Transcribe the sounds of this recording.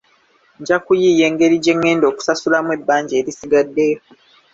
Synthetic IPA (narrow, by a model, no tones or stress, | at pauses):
ɲɟakujije̞ːŋɡe̞ɾiɟe̞ŋːe̞ːndoːku̥sasulamwe̞bːaːɲɟeːɾisiɡadːe̞jo̞